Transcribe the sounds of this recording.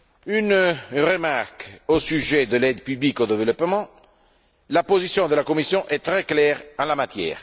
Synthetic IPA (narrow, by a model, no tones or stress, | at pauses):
ynrəmaʁkosyʒɛd̪əlɛd̪pyblikod̪evəlɔpmɑ̃ | lapozisjɔ̃d̪əlakomisjɔ̃ʔɛt̪ɾɛklɛːʁɑ̃lamat̪jɛ̰ːʁ